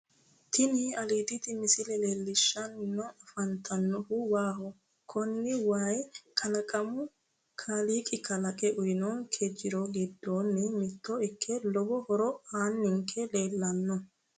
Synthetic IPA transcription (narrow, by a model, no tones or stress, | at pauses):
t̪ɪnɪɐliːd̪ɪt̪ɪmɪsɪlɛleːlːɪʃːɐnnːɔʔɐfɐnt̪ʰɐnːɔhʊwaːhɔ | kʰɔnːɪwaːjkʰɐlɐkʼɐmʊ | kʰaːliːkʼɪkʰɐlɐkʼɛʔʊjnɔnkʰɛd͡ʒːɪɾɔɡɪd̪ːoːnːɛmɪt̪ːɔɪkʰːɛlɔbɔhɔɾɔaːnːɪŋkʰːɛle̞ːlːɐnːɔ